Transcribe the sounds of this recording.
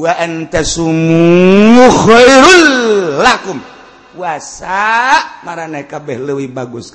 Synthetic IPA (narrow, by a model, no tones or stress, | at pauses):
waʔant̪asumuxajɾulːakum | wasaʔmaɾanakabɛhləwibaɡʊs